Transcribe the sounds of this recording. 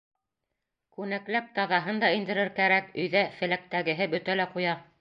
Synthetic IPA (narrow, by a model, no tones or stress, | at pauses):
kʉnæklæp̚t̪ɑðɑɦɤnd̪ɑind̪ɘ̆ɾɘɾkæɾækɵ̆jðæfɘ̆læk̚t̪æɡɘ̆ɦɘbɵt̪ælæqujɑ